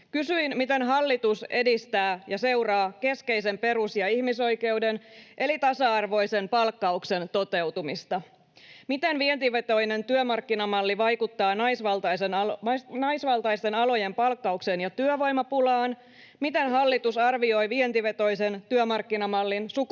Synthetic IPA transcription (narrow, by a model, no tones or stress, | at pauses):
kysyinmit̪e̞nɦɑlːit̪use̞dist̪æːjɑse̞wrɑːke̞ske̞ise̞mpe̞ɾusjɑihmiso̞jke̞wde̞nʔe̞lit̪ɑsɑɑrʋo̞jse̞npɑlkːɑukse̞nt̪o̞t̪e̞wt̪umist̪ɑ | mit̪e̞nʋient̪iʋet̪o̞jne̞nt̪yømɑrkːinɑmɑlːiʋɑjkut̪ːɑːnɑjsʋɑlt̪ɑjsennɑjsʋɑlt̪ɑist̪e̞nɑlo̞je̞mpɑlkːɑuksenjɑt̪yøʋo̞jmɑpulɑːn | mit̪e̞nɦɑlːit̪usɑrʋio̞jʋient̪iʋe̞t̪o̞jse̞nt̪yømɑrkːinɑmɑlːinsuk